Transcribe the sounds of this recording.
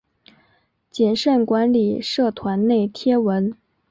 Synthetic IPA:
t͡ɕjɛ˨˩nʂə˥˩nkwa˧˥nli˨˩ʂɤ˥˩t̪ʰwa˧˥nne˥˩ɪt̪ʰjɛ˥wə˧˥n

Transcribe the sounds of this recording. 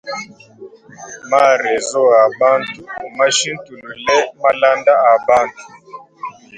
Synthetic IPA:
ma˦˨ɾɛ˨zɔ˦a˨ɓa˦ntʰu˨ma˦ʃi˦n˦tu˨lu˨lɛ˦ma˦la˦nda˦a˨ɓa˦ntʰu̥˨

